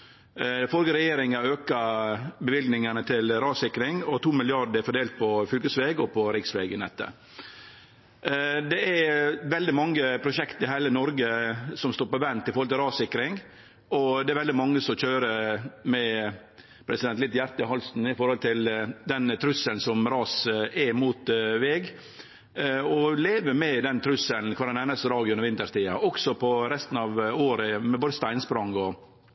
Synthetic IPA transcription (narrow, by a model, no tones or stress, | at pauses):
fɔɾɡəɾɛjeːɾɪŋɑøːkɑbəʋɪlɡnɪŋənət̪ʰɪlɾɑːsɪkɾɪŋɔt̪ʰuːmɪlɪɑɖəæfɔɖ̪eːlt̪̚pʰɔfʏlkəsʋeːɡɔpʰɔɾɪksʋeːɡənɛt̪ːə̰ | d̪ɛæɾʋɛld̪ɪmɑŋːəpʰɾʊʃɛkt̪əhæɪlənɔɾɡəsɔmst̪oːɾpɔʋɛnt̪ɪfɔɾhɔlt̪ɪlɾɑːsɪkɾɪŋ | ɔd̪ɛæɾʋɛld̪ɪmɑŋːəsɔçøːɾəmɛ | pʰɾɛsɪd̪ɛnt̪lɪt̪ːjæɾt̪əhɔlsn̩ɪfɔɾhɔlt̪ʰɪld̪ɛnt̪ʰɾʉsːəln̩sɔmɾɑːsɛmuːt̪ʋɛːɡ | ɔleːʋəmɛd̪ɛnt̪ʰɾʉsːəln̩kʰʋɑɾɑnɛnəst̪əɾɑːɡɪʊnəɾʋɪnt̪əʂt̪iːɑɔksɔpʰɔɾɛst̪n̩ɑːʋoːɾəmɛboːd̪əst̪æɪnspɾɑŋɔ